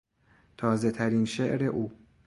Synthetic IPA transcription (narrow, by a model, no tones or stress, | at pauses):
t̪ʰɒːze̞t̪ʰæɾinʃeʔɾe̞ʔuː